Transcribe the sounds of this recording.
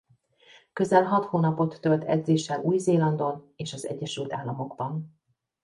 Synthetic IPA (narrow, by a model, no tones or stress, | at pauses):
kø̞zɛlɦɒt̪hoːnɒpo̞t̪ːølt̪ʰɛ̰d̪zeːʃːɛluːjzeːlɒnd̪o̞n | eːʃɒzɛ̰ɟːɛʃylt̪aːlːɒmo̞ɡbɒn